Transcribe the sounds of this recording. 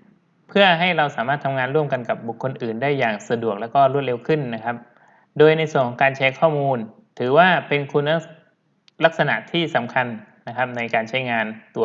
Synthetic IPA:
pʰɯ˥˩ɐɦa˥˩jɾa˧wsaː˩˦maː˥˩t̪ʰa˧ŋaː˧nɾu˥˩əmka˧nka˨˩p̚bu˨˩kʰːo˧nʔɯː˨˩ndaː˥˩jːaː˨˩ŋsa˧du˨˩ək̚lɛː˦˥wkɔː˥˩ɾu˥˩t̪̚ɾe˧wkʰɯ˥˩nːa˦˥kʰa˦˥p̚ | doː˧jna˧jsu˨˩əŋkʰɔ˨˦ŋkaː˧nt͡ɕʰɛ˦˥kʰɔː˥˩muː˧n | t̪ʰɯː˩˦waː˥˩pe˧nkʰu˧na˦˥ | la˦˥k̚sa˧na̰˨˩ʔt̪ʰiː˥˩sa˩˦mkʰa˧nː | a˦˥kʰa˦˥p̚na˧jkaː˧nt͡ɕʰa˦˥jŋaː˧nt̪u˧

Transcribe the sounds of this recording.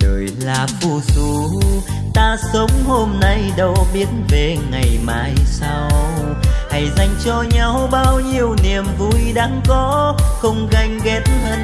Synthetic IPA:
ɗəː˨˩jlaː˨˩fu˧˩su˧˩˦ | t̪aː˧sə˨˦wŋ͡mho˧mna˧jɗə˧˩wɓi˨˦ətnve˨˩ŋa˨˩jmaː˧˩˦jsa˧ww | ha˧˩jza˧jŋ̟t͡ɕɔ˧ɲa˧wɓaː˧wɲi˧əwni˨˩əmvu˧˩jɗaː˧˥ŋkɔ˨˦xə˧wŋ͡mɣa˧jŋ̟ɣɛ˨˦tnhəː˧n

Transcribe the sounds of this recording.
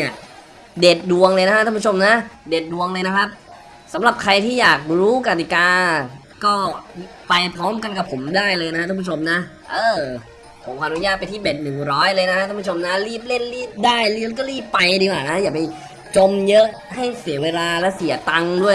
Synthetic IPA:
ə | de˨˩t̪̚du˧əŋlɤː˧jna˥kʰa˥a˥˩pʰːt͡ɕʰo˧mna˦˥de˨˩t̪̚du˧əŋlɤː˧jna˦˥kʰa˦˥p̚ | sa˩˦mɾa˨˩p̚kʰa˧jt̪ʰiː˥˩jaː˨˩k̚ɾuː˦˥ka˧˩t̪i˨˩kaː˧ | kɔː˥˩ | pa˧jpʰɔː˦˥mka˧nka˨˩pʰːo˩˦mdaː˥˩jlɤː˧jna˦˥ka˥˩pʰu˥˩o˧mna˦˥ʔ | ʔɤː˧˩ | pʰo˨˩˦mkʰːʔnu˦˥jaː˥˩t̪̚pa˧jt̪ʰiː˥˩beː˨˩t̪̚nɯ˨˩ŋɾɔː˦˥jlɤː˧jna˦˥kʰa˥˩˨pʰːt͡ɕʰo˧mna˦˥ɾiː˥˩p̚le˥˩nliː˥˩p̚daː˥˩jlkɔː˥˩ɾiː˥˩pːa˧jdiː˧kwaː˨˩na˦˥jaː˨˩k̚pa˧j | t͡ɕo˧mjɤ˦˥ʔ | ha˥˩jsi˩˦ɐweː˧laː˧lɛ˦˥si˨˩˦ɐt̪a˧ŋdu˥˩ə

